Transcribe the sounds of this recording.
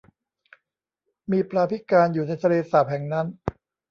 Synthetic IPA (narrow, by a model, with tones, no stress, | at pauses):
miː˧pɾaː˧pʰi˦˥kaː˧njuː˨˩na˧jt̪ʰa˧leː˧saː˨˩p̚hɛ˨˩˦ŋna˦˥n